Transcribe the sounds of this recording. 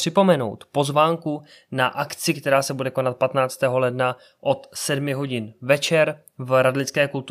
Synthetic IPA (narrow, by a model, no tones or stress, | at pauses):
r̥ɪpo̞mɛno̞̰wt̪po̞zvaːŋku | naʔakt͡sɪkt̪ɛɾaːsɛbudɛko̞nat̪̚pat̪naːt͡st̪ɛːɦo̞lɛdna | ʔo̞t̪sɛdmɪɦo̞ɟɪnvɛt͡ʃɛɾ | vɾadlɪt͡skɛːkult̪